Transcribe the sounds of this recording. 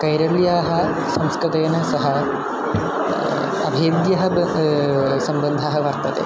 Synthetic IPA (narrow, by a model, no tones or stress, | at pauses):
kɐjɾɐljaːɦɐ | sɐmskɾɨt̪eːnɐsɐɦɐ | ɐbʱeːd̪jɐɦɐ | sɐmbɐnd̪ʱaːɦɐʋɐɾt̪ɐt̪ḛː